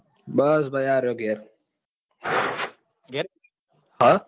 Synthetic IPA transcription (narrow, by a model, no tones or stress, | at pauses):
bɐsbɐjaːɾoɡeɾ | ɡ | ha